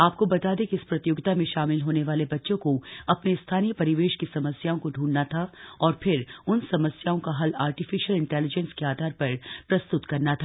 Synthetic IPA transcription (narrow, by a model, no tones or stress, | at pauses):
aːp̚kobɐt̪aːd̪ekiɪspɾɐt̪ɪjʊɡt̪amẽʃaːmɪlɦoːneʋaːlebɐtːʃõkoɐpnest̪ʰaːnijəpɐɾɪʋeːʃkisɐməsjaːõkoɖʱũːɳɖnat̪ʰaɔːɾpʰɪɾʊnsɐməsjaːõkaɦɐlaːɾʈɪfɪʃəlɪ̃ɳʈɛːlɪd͡ʒɛ̃nskeaːd̪ʱaːɾpɐɾpɾɐst̪ʊt̪kɐɾnat̪ʰaː